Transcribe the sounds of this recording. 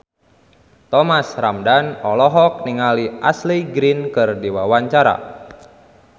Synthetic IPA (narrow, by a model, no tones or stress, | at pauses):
t̪ɔmasramdanɔlɔɦɔk̚niŋaliʔa̰sliɡɾinkɨrdiwawaɲt͡ʃaɾa̰